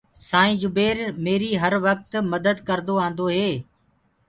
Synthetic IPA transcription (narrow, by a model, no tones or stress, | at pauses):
sãːĩːd͡ʒʊbeːɾmeːɾiːɦəɾʋək̚t̪məd̪əd̪kəɾd̪oãːnd̪oɦeː